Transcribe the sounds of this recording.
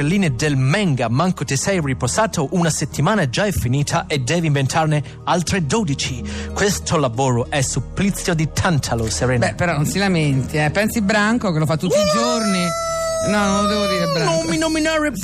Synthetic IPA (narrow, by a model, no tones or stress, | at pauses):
elːiːned̪elmɛŋɡamaŋkot̪ɪsɛjriposaːt̪oʔunaset̪ʰːimaːnad͡ʒaɛfːiniːt̪ʰaʔed̪ɛːviɱvent̪ʰarne | alt̪ɾed̪ɔːd̪it͡ʃikwest̪ʰolavoːɾoʔɛsːupːlit̪sːjod̪it̪ʰant̪ʰaloseɾɛːnbɛpːeɾɔnonsilament̪iɛpɛnsibɾaŋkokelofat̪ːut̪ːiid͡ʒorninɔnond̪ɛːvod̪iːɾebɾanominominaːɾe